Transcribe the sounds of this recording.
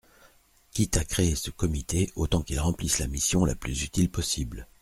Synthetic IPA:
kʲit̪akχeesəkɔmit̪ʰeot̪ɑ̃kilʁɑ̃plislamisjɔ̃la̰plyzyt̪ilpɔsibl

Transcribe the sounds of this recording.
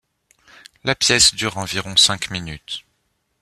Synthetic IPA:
lapjɛsd̪yʁɑ̃viʁɔ̃sɛ̃kminyt̪

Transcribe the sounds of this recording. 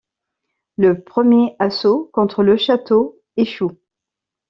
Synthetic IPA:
ləpχəmjeasokɔ̃t̪χələʃat̪o | eʃu

